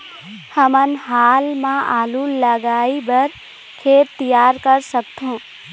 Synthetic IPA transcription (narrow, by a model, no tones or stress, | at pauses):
həmənɦaːlmãʔaːluləɡaːibəɾ | kʰeːtt̪ːijaːɾkəɾsəkt̪ʰɦũ